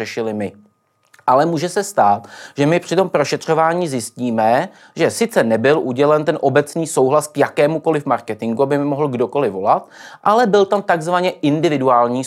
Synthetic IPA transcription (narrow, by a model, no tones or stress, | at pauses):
ɛʃɪlɪmɪ | ʔalɛmuːʒɛsɛst̪aːt̪ʒɛmɪpr̝̥ɪt̪o̞mpɾo̞ʃɛt̪r̝̥o̞vaːɲiːzjɪsciːmɛ | ʒɛsɪt͡sɛnɛbɪlʔuɟɛlɛnt̪ɛnʔo̞bɛt͡sniːsowɦlaskjakɛːmuko̞lɪfmaɾkɛt̪ɪŋɡuabɪmoɦl̩ɡdo̞ko̞lɪvo̞lat̪ʔalɛbɪlt̪amt̪aɡzvaɲɛʔɪndɪvɪduaːlɲiː